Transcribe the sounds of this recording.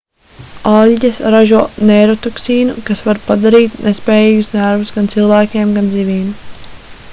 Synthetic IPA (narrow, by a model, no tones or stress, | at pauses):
alʲɟasɾaʒuɔneɾot̪ɔksiːnukasvaɾpad̪aɾiːt̪nʔespɛːjiːɡusnʲæɾvusɡant̪silˠvæːkʲeɛmɡand̪zivʲiːnu